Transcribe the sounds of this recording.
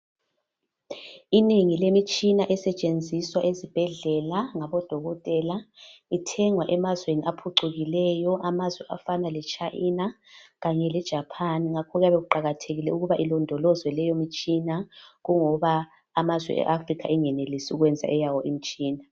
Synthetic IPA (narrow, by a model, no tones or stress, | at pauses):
ineŋilemit͡ʃʼinaʔɛsɛt͡ʃʼend͡zʱiswaʔezib̥ʱɛɮɛlaŋaβɔd̥ʱɔɣɔtʼɛlaitʰɛŋwaʔɛmazweniʔapʰuǁuɣilɛjɔʔamazwɛa̰fanalɛt͡ʃʰʼaʔina | ɣaɲɛlɛd̥ʒ̥ʱapʰaniŋakʰɔɣjaβeɣuǃaɣatʰeɣilɛuɣuβaʔilɔndʱɔlɔzwɛlɛjomit͡ʃʼinaɣuŋɔβaː | mazwɛ̰ʔɛ̰ʔafrikʰa̰ɛŋɛnelisiuɣwɛnd͡zʱa̰ʔɛjawɔʔim̩t͡ʃʼiːna